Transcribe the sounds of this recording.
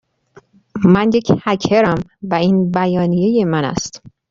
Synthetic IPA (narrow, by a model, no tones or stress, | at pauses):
mænje̞cʰhæcʰeɾæmvæiːnbæjɒːnije̞je̞mænæ̰st̪